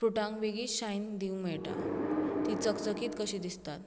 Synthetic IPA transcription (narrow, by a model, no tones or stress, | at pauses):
fɾuʈãŋkʋeɡiːɕajnd̪iumɛɭʈa̰t̪it͡səkt͡səkiːt̪kəɕiːd̪ist̪at̪